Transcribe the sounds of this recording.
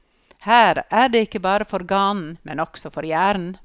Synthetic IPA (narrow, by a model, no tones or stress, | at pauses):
hæːɾʔæːɾɖeːɪkəbɑːɾəfɔɾɡɑːnn̩mɛ̰nɔksɔfɔɾjæːɾn̩